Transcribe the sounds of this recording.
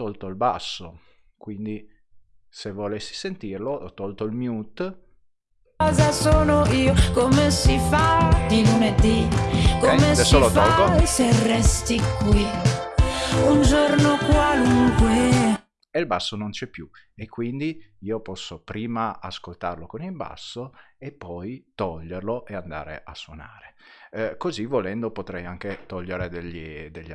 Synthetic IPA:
t̪olt̪oilba̰sːo̰kwind̪i | sevolesːi̥sent̪irloɔt̪ɔlt̪oilmjut̪ | ɔzasoːnoʔiːokomesifad̪ilmet̪ikomesɛsolotfɔloserɛst̪ikwi | und͡ʒornokwaluŋkwe | elbasːonont͡ʃɛpːju | ekːwind̪iiːopɔsːopɾiːmaaskolt̪a̰rlokonilba̰sːoepːɔjt̪ɔʎːerloʔeand̪a̰ːɾḛʔasːwona̰ːɾekozivolɛnd̪opot̪ɾɛjaŋk̟et̪ɔʎːeɾed̪eʎːid̪eʎː

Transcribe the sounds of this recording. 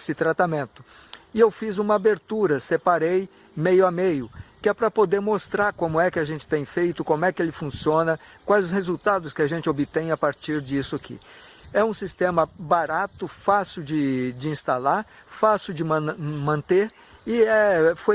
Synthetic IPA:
sɪt̪ɾat̪amẽnt̪ʊ̥ | ɪewfizũmɐabeɾt̪uɾɐsepaɾej | mejʊamejʊkɪɛpɾɐpod̪eɾmost̪ɾaɾkõmʊɛkɪaʒẽnt͡ʃɪ̥t̪ẽj̃fejt̪ʊkõmʊɛkɪelɪfũsiõnɐ | kwajzʊshezuwt̪ad̪ʊskɪaʒẽnt͡ʃɪobɪt̪ẽj̃apaɾt͡ʃiɾd͡ʒisʊakʰḭ | ɛũsist̪ẽmɐbaɾat̪ʊfasɪwd͡ʒɪd͡ʒɪĩst̪alaɾ | fasɪwd͡ʒɪmɐ̃mɐ̃nt̪eɾ | ɪɛfo

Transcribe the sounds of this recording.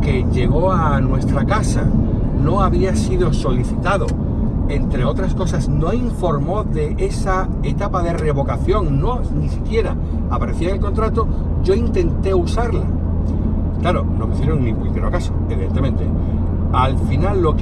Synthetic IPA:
ke̞ʝe̞ɣ̞o̞anwe̞st̪ɾakasa̰ | no̞aβiasiðo̞so̞liθit̪aðo̞ | e̞nt̪ɾe̞o̞t̪ɾasko̞sasno̞iɱfo̞ɾmo̞ðe̞e̞sa | et̪apaðe̞re̞β̞o̞kaθjo̞ŋno̞ | nisikje̞ɾaː | paɾe̞θiaŋelko̞nt̪ɾat̪o̞ | ʝo̞int̪e̞nt̪e̞usaɾla | klaɾo̞no̞meθjeɾoŋnĩmpɾime̞ɾokasoeβiðe̞nt̪emẽ̞nt̪e̞̰ | alfinalːo̞k

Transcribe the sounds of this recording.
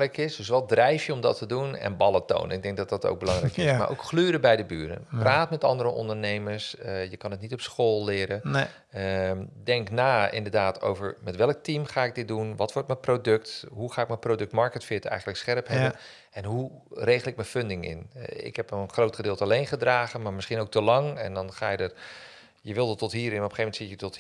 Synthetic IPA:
rɛjkɪsdɵs̬ʋɔdrɛjfjəɔmdɑtʰədunɛ̰nbɑlˠəto̰wnənɪɡ̚dɛŋk̚dɑt̚dɑto̰wɡ̚bəlɑŋrɛ̰jkɪsma̰ʔo̰wkxlyːɾəbɛjdəbyːɾə̰npraːtmɛtɑ̰ndəɾəʔɔ̰ndəɹnejməɹsəjəkɑnətnitɔpsχoːlˠːɪːɾən | dɛŋknaːɪ̰ndəɹdaːtʰo̰wvəɹmɛtʋɛlˠk̚timχaːɪk̚dɪt̚dunʋɑtʋɔɹtməprodɵktɦuχaːɪkmənprodɵk̚tmɑɹkətfɪːtəɛ̰jχən̩ləksχɛrpɦɛbən | ɛnɦurejɣəlˠɪk̚məføndɪŋɪ̰nɪ̰kɦɛpənχrowtχədɪːlˠtəɑlejnχədraːχənmaːɹmɪsχinowk̚təlɑŋɛ̰ndɑnχaːjədə | jəʋɪlˠdətːɔtɦiːɾɪnɔpχejfmɛntsɪtjətɔt

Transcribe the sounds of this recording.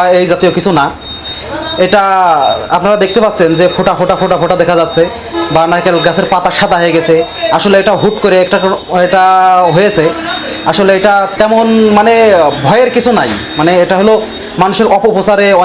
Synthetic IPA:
aejd͡ʑat̪iokit͡ɕʰuna | eʈaa̰pnaɾad̪ek̚t̪epat̪ːɕʰend͡ʑepʰoʈafʰoʈafʰoʈapʰoʈad̪ɛkʰad͡ʑat̪ːɕʰe | banakelɡasʰeɾpat̪aʃad̪aɦojeɡɛt͡ɕʰeaʃoleeʈaɦuʈkoɾeɛkʈaeʈaɦojet͡ɕʰeaʃoleeʈat̪ɛmonmanebʱɔeeɾkit͡ɕʰunaj | maneeʈaɦolo | manuʃeɾɔpoposaɾeɔ

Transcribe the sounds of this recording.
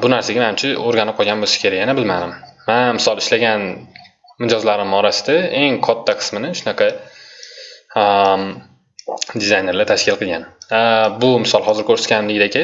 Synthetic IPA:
bʊnaɾsaɡʲamahamt͡ʃʰɪoɾɡʲanɪp̚qʰɒɡʲanbolsḁkʰʲe̞ɾajanabɪlmad̪ɪmːanmɪsɒlˠɪʃlaɡʲan | mɪd͡ʒɒzlaɾɪmɒɾasɪd̪ae̞ŋkʰɒt̪ʰːaqʰɨ̥smɪnɪʃʊnɑqʰɑ | d̪ɪzajne̞ɾlɪt̪ʰaʃkʲɪlˠqʰɨlˠɡʲanbʊmɪsɒlˠɦɒzɪɾkʲʰɵɾsɪ̥t̪kʲanɪmlɪɡʲɪd̪aekʲʰa

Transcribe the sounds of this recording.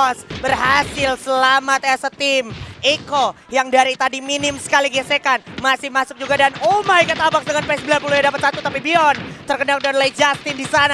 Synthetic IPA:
ɔsbərɦasɪlsəlamat̪̚ɛsət̪ɪmeko | jaŋdaɾit̪adiminɪmsə̥kaliɡiasekanmasɪhmasʊk̚d͡ʒuɡadanomajkət̪abak̚sdəŋanpeɛsbilapulujadapat̪̚sat̪ut̪apibiɔnt̪ərkənakdɔnlaid͡ʒast̪ɪndisana

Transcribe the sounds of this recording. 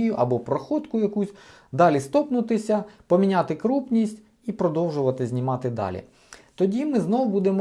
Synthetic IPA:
jʊʔɐbɔpɾɔxɔd̪kʊjɐkusʲ | d̪ɑlʲist̪ɔpnʊt̪ɪsʲɐpɔmʲinʲaɑt̪ɪkɾupnʲisʲtʲ | ipɾɔd̪ɔwʒʊʋɐt̪ɪzʲnʲimɑt̪ɪd̪ɑ̰lʲḭ | t̪ɔdʲimɪznɔwbud̪emɔ

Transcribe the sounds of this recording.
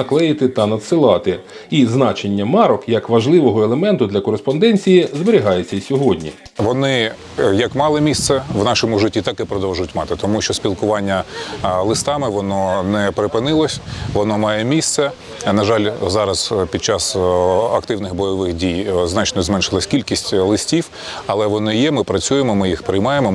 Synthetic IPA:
ɐklˠɛjɪt̪ɪt̪ɐnɐd̪sɪlˠɑt̪ɪ | iznɑt͡ʃenʲːɐmɑɾɔkjɐkʋɐʒlˠɪʋɔɦɔelˠemɛnt̪ʊd̪lʲɐkɔɾespɔnd̪ɛnʲt͡sʲijizbeɾʲiɦɑjet͡sʲːɐsʲɔɦɔdʲnʲḭ | ʋɔnɪ | jɐkmɑlˠɪmʲist̪sɛʋnɑʃɔmʊʒɪtʲːit̪ɑkɪpɾɔd̪ɔwʒʊjʊtʲmɑt̪ɪt̪ɔmuʃt͡ʃɔsʲpʲilˠkʊʋɑnʲːɐlˠɪst̪ɑmɪʋɔnɔnɛpɾɪpɪnɪlˠɔsʲʋɔnɔmɑjɛmʲist̪sɛ | nɐʒɑlʲzɑɾɐzpʲid̪̚t͡ʃɑsɐkt̪ɪwnɪxbɔjɔʋɪxdʲijznɑt͡ʃnɔzmɛnʃɪlˠɐsʲkʲilʲkʲisʲtʲlˠɪsʲtʲiw | ɐlˠɛʋɔnɪjɛmɪpɾɐt͡sʲujemɔmɪjixpɾɪjmɑjemɔ

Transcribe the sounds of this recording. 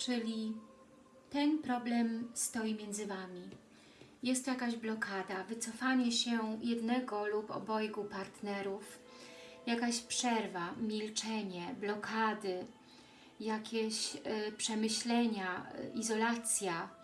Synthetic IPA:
t͡ʂɘlʲi | t̪ɛnpɾɔblɛmst̪ɔjimʲjɛnd̪zɘvamʲi | jɛst̪jakaʑblɔkʰad̪avɘt̪sɔfaɲɛɕɛjɛd̪nɛɡɔlupɔ̰bɔjɡupaɾt̪nɛɾuf | jakaɕpʂɛɾvamʲilt͡ʂɛɲɛblɔkʰad̪ɘ | jakʲeɕpʂɛmɘɕlɛɲa̰ʔizɔlat̪sʲja

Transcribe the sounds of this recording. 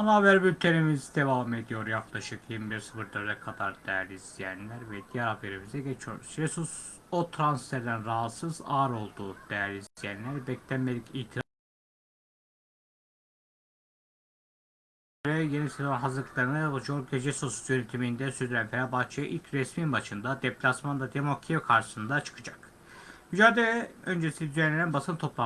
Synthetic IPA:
ɑnavæɾbyɾt̪ʰeɾimizd̪evɑmed̪ijo̞ɾjɑklˠɑʃɯqjenmibiɾsɯbɯɾd̪øɾd̪ɛkʰɑd̪ɑɾd̪æɾlizijænlæɾvɛd̪ijɑɾɑveɾimizd̪ɛɡɛt͡ʃʰoɾsɾesus | ot̪ʰɾansfeɾd̪ænɾɑɦɑt̪sɯzɑɾo̞lˠd̪ud̪̥æjɾizd̪ijænlæɾbɛkt̪ænmeliciːt̪ʰi | ɾɛjenisezonɦazlˠɯkʰlˠaɾɯnɯjoɾɡed͡ʒɛsosujønyt̪ʰimind̪ɛsyɾd̪yɾænfeɾabaxt͡ʃʰajɯʔilʲcʰɾɛsminbaʃɯnd̪ad̪eplʲasmand̪ad̪emokʰikʰaɾʃɯ̥sɯnd̪at͡ʃʰɯ̥kʰɯd͡ʒak | myd͡ʒaːd̪elɛønd͡ʒeisiid̪yzɛnlːʲeɾinbasɯnɯt̪ʰo̞plˠa

